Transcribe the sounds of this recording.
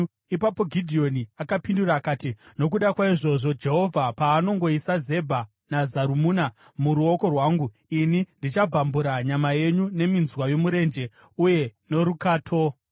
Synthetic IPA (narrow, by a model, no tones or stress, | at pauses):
ipapo̞ɡʱidʱio̞niakapinduraːkaːtino̞k̬uɗakwaiʐo̞ʐo̞d͡ʒe̞ɦo̞vʱapaːno̞ŋɡo̞isaze̞bʱa | nazaɾumuːna | muɾuo̞ko̞rwaːŋɡu | inindit͡ʃab͡vambuɾaɲamaje̞ɲune̞minzwajo̞muɾe̞nd͡ʒe̞ | uje̞no̞ɾukaːtʰo̞